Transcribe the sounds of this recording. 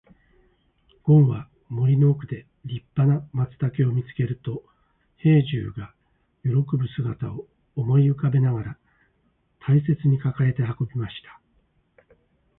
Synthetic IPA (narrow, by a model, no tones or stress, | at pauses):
ɡ̥õ̞ɰ̃βa | mo̞ɾʲino̞ːkɯ̟d̪e̞ | ɾʲipːanamat͡sɨ̥t̪ake̞o̞mʲit͡sɨ̥ke̞ɾɯ̟t̪o̞ | he̞ːʑɨ̰ːɡa | jo̞ɾo̞kɯ̟bɯ̟sɨɡat̪ao̞ː | mo̞iɯ̟kabe̞naɡaɾa | t̪ʰaise̞t͡sɨɲ̟ikakaɾe̞t̪e̞ɦako̞bʲimaɕi̥t̪ḁ